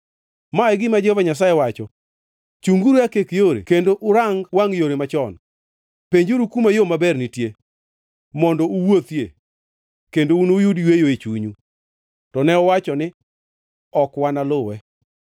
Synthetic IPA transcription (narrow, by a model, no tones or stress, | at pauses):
maɛɡɪmad͡ʒovaɲas̬ajewat͡ʃɔ | t͡ʃuŋɡuɾakekjoɾḛkendoʔʊɾaŋɡwaŋjoɾemat͡ʃɔn | peɲd͡ʒoɾukumajomabɛrnɪtje | mɔndɔuwot̪je | kendounojudjwejoet͡ʃuɲu | tɔnɛɔwat͡ʃɔnɪ | ɔkwanalʊwɛ